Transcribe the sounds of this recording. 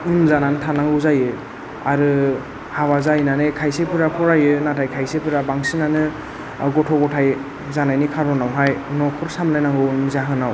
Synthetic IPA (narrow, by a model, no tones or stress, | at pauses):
unmzananɯtʰanaŋɡɯzajɯ | a̰ɾɯ | hawazajnanɯkʰajsepɯɾapʰɔɾajɯnatʰajkʰajsepʰɯɾabaŋsinanɯ | ɡɔtʰɔɡɔtʰaj | zanajnikʰaɾɔnawɦajnɔkʰɔɾsamlajnaŋɡɯunmɯzaɦɯnaw